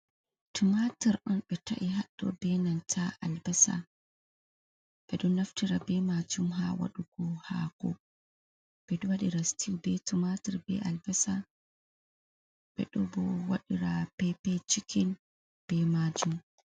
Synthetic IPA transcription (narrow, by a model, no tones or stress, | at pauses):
tʰumatiɾɗɔnɓɛta̰ʔiɦaɗːɔ̰bɛnantʰaʔalbɛsa̰ | ɓ̥ɛɗɔnaftiɾabɛmad͡ʒumɦawa̰ɗuɡɔhaɡ̥ɔ̰ | b̥ɛɗɔwaɗiɾastiwbɛtumatiɾbɛ̰ʔalbɛsa | ɓɛ̰ɗɔbɔwaɗiɾapɛpɛt͡ʃikin | b̥ɛmad͡ʒum